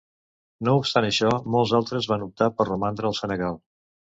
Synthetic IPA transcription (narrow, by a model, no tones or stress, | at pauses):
noupst̪anəʃɔmɔlˠzalˠt̪ɾəzβanup̚t̪apərrəmand̪ɾəːlˠsənəɣalˠ